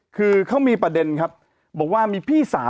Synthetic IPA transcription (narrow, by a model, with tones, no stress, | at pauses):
kʰɯː˧kʰa˦˥wmiː˧pɾa˧de˧nkʰa˦˥p̚ | bɔː˨˩k̚waː˥˩miː˧pʰiː˥˩sa̰ː˩˦